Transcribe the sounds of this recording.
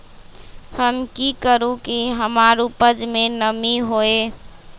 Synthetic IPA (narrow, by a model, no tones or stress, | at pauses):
həmkikəɾũkiɦəmaɾupəd͡ʒmenəmiɦoe